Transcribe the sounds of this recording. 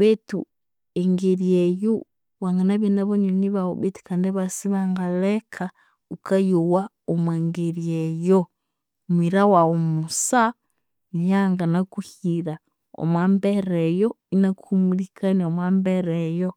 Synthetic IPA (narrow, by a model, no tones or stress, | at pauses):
βetu | eŋɡeɾieju | waŋɡanaβinaβoɲoniβao̰βiti̥kaːndeβasiβaŋɡalekʰa | ukajuwa | omweŋɡeɾiejo | mwiɾawaomusa | njaŋɡanakuhiɾa | o̰mwaːmbeɾejo | inakuhumulikʰaniomwaːmbeɾejo